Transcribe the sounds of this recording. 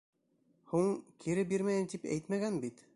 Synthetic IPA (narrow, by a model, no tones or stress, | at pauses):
huɴkʰiɾɘbiɾmæjɘmt̪ipæ̰jt̪mæɡænbit̪